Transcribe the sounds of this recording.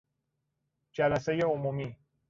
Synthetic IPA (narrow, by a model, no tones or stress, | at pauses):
d͡ʒælæsejeomuːmiː